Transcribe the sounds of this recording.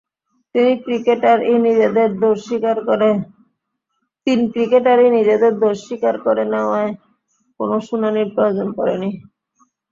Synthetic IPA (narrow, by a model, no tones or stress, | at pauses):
t̪inikɾikeʈaɾenid͡ʑed̪eɾd̪oɾʃikaɾɾe | t̪inkɾikeʈaɾenid͡ʑed̪eɾd̪oɾʃikaɾkɔɾenɛoae | konoʃunaniɾpɾood͡ʑonkɔɾeni